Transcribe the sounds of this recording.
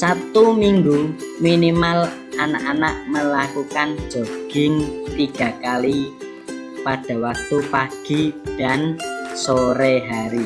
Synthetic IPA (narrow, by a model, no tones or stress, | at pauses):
sat̪umiŋɡuminimal | anaʔanaʔməlakukan̥d͡ʒ̥o̤ɡ̥ɪ̤ŋt̪iɡ̥a̤kali | pad̥a̤wak̚t̪upaɡ̥i̤d̥a̤nsoɾeɦaɾi